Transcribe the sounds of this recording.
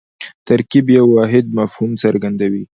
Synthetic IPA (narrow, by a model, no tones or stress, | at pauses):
t̪aɾkibjawːɑɦɪd̪̚mafhumsaɾɡand̪awi